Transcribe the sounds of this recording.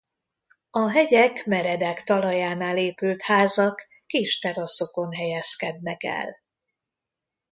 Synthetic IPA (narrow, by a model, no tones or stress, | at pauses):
ɒɦɛɟɛkmɛɾɛd̪ɛkt̪ɒlɒjaːnaːleːpylt̪haːzɒkː | iːʃt̪ɛɾɒso̞ko̞nɦɛjɛskɛd̪nɛkɛ̰l